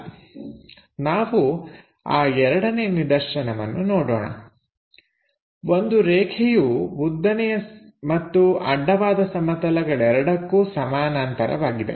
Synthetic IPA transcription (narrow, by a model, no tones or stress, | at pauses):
naːʋu | aːɛɾɐɽɐneːnid̪ɐɾʃɐnɐʋɐnːunoːɽo̰ːɳɐ̰ | o̞nd̪uɾɛːkʰɛjubud̪ːɐnɛjɐmɐt̪ːuɐɖːɐʋaːd̪ɐsɐmɐt̪ɐlɐɡɐɭɛɾɐɽɐkːuːsɐmaːnaːnt̪ɐɾɐ̰ʋaːɡid̪e̞̰